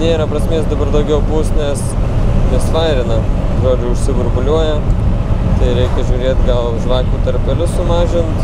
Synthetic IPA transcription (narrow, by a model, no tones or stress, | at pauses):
nʲeːɾɐpɾɐsʲmʲeːsd̪ɐbɐrd̪ɐʊɡʲɛʊbuːsnʲɛs | nʲɛsʋɑɪɾʲɪnɐʒoːd͡ʒʲʊʊʃʲsʲɪbʊɾbʊlʲuɔjɛ | t̪ɐɪɾʲɛɪkʲɛʒʲuːɾʲeːt̪ɡɐlˠʒʋɑːkʲuːt̪ɐɾʲpʲɛlʲʊsʊmɑːʒʲɪnt̪